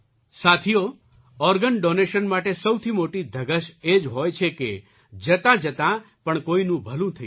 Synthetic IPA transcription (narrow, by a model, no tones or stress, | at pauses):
sat̪ʰijo | ɔɾɡənɖoneʃənmaʈesəwt̪ʰimoʈid̪ʱəɡəʃed͡ʒɦojt͡ʃʰeke | d͡ʒət̪ãd͡ʒət̪ã | pəɳkoinũbʱəlũt̪ʰəj